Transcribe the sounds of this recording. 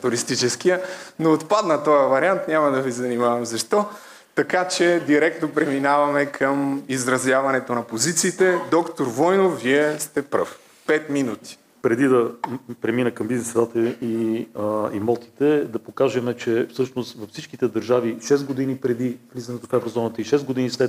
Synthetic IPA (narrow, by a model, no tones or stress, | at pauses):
t̪ʊɾist̪it͡ʃɛsk̟ijənoːt̪pad̪nɐt̪ɔjəvɐɾiant̪nʲamɐd̪ɐvizɐnimavɐmzɐʃt̪ɔ | t̪ɐkat͡ʃɛd̪iɾɛk̚t̪nopɾɛminavɐmɛkʰəmizɾɐzjavɐnɛt̪onɐpozit̪siːt̪ɛd̪ɔkt̪oɾvɔjnofviɛst̪ɛpɾɤ̰f | pɛt̪minut̪i̥ | pɾɛd̪id̪ɐpɾɛminəkɐmbiznɛsd̪at̪əi | imɔlˠt̪i̥t̪ɛd̪ɐpokaʒɛmɛt͡ʃɛfsɤʃnost̪vɐfsit͡ʃkit̪ɛd̪ɐɾʒaviʃɛsɡod̪inipɾɛd̪ivlizɐnɛt̪ofɛvɾozɔnət̪əiʃɛsɡod̪inislɛt̪